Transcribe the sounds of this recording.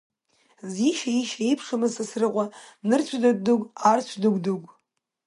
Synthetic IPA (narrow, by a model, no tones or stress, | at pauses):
ziʃaiʃaipʰʂamɨzsasrɨqʷʼanɨrt͡ɕʷʰdad̚ʼduɡʷʼart͡ɕʷʰdɨɡ̚ʷʼduɡʷʼ